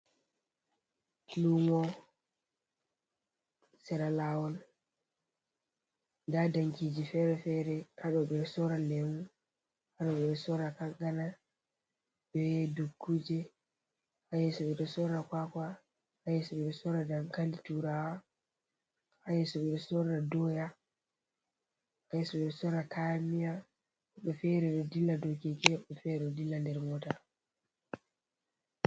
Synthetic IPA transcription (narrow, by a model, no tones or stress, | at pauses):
lumɔ | sɛɾalawɔl | ndadaŋkid͡ʒifɛɾɛfɛɾɛʔaɗɔɓɛsɔɾalɛwu | haɗɔɓɛɗɛsɔɾakaɡana | bɛdukːud͡ʒɛ | hajɛsɔɓɛɗɔsɔɾakwakwa | hajɛsɔɓɛɗɔsɔɾadamkalituɾawa | hajɛsɔɓɛɗɔsɔɾadɔja | hajɛsɔɓɛɗɔsɔɾakamija | ɛɓɔfɛɾɛɗɔdilːadɔkikɛɛɓɔfɛɾɛɗɔdilːandɛɾmɔta